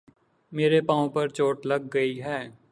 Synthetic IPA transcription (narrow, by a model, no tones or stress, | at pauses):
meːɾepãːõpɐɾt͡ʃoːʈlɐɡːəiɦɛː